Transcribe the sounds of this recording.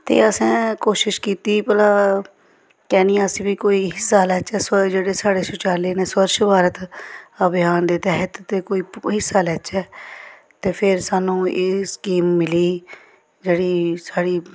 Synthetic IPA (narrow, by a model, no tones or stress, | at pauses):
t̪ḛːəsɛ̃ːkoːʃɪʃkiːt̪iːpəlaː | kɛːnĩːaəsĩːbiːkoːiːɦɪsːaːlɛːt͡ʃɛːsd͡ʒeːɽeːsaːɽeːsʊt͡ʃaːleːneːsʋəɾʃbaːɾət̪əbɪjaːnd̪eːt̪ɛːɦət̪t̪eːkoːiːɦɪsːaːlɛːt͡ʃɛː | t̪eːpʰɪɾsaːnũːeːskiːmːɪliː | d͡ʒeːɽiːsaːɽiː